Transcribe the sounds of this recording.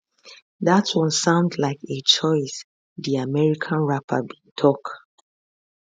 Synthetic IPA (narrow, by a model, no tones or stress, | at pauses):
ðatwɔ̃nsãʊ̃ndlaɪket͡ʃʰɔɪs | ðiamɛɹikʰãnɹapʰa̰bitʰɔk